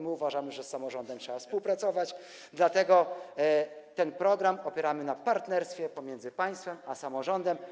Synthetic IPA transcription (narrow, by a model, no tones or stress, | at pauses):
mɘuvaʐamɘʐɛsːamɔʐɔnd̪ɛmtʂɛbafspuwpɾat̪sɔvat͡ɕ | d̪lat̪ɛɡɔ | t̪ɛnpɾɔɡɾamɔpʲjɛɾamɘnapaɾt̪nɛɾst̪fʲjɛpɔmʲjɛnd̪zɘpaj̃st̪fɛmasamɔʐɔnd̪ɛm